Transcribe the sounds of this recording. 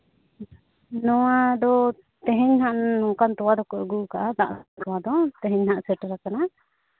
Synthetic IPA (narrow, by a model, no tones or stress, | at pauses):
nɔwad̪ɔ | t̪ɛɦɛɲhaʔɔŋkant̪ɔwad̪ɔkɔɾɡukaʔad̪aʔt̪ɔwad̪ɔt̪ɛɦɛɲhaʔsɛʈɾakana